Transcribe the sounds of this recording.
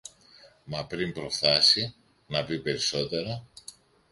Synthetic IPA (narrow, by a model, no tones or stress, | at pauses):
mɐpɾimpɾo̞fθɐsi | nɐpipe̞ɾiso̞t̪e̞ɾɐ